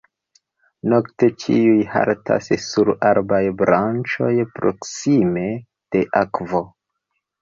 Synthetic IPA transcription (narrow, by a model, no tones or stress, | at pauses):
no̞kte̞t͡ʃiujha̰ɾtʰa̰ssuɾaɾbajbɾant͡ʃo̞jpɾo̞ksime̞ | d̥e̞ʔakvo̞